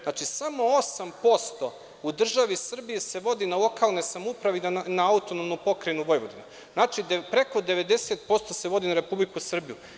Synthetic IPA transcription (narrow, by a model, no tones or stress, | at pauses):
nat͡ʃisamo̞osampo̞st̪o̞ | ud̪r̩ʒaʋisr̩biise̞ʋo̞d̪inalˠo̞kaːlno̞jsamupɾaʋenaaut̪onomnupo̞kɾenuʋo̞jʋo̞d̪ina | znaːt͡ʃid̪pɾe̞ko̞d̪e̞ʋe̞d̪e̞set̪̚po̞st̪o̞se̞ʋo̞d̪inaɾe̞publikusr̩bijṵ